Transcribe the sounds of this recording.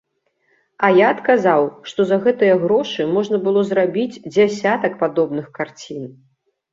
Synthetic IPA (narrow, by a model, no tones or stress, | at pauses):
ɐjaɐt̪kazawʂt̪ɔzɐɣɛt̪ɨjɐɣɾɔʂɨmɔʐnɐbɨlˠɔzrabʲid͡zʲd͡zʲasʲat̪ɐk̚pad̪ɔbnɨxkart͡sʲin